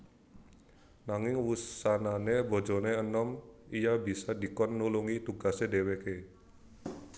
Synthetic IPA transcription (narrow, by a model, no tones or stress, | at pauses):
naŋɪŋwusananebɔ̤d͡ʒɔneənɔmijabisadikɔnːuluŋit̪uɡasedeweke